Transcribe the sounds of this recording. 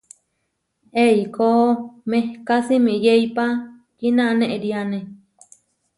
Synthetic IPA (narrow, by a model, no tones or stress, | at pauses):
eikomehkasimĩjeipa | kinaʔnẽʔeɾiane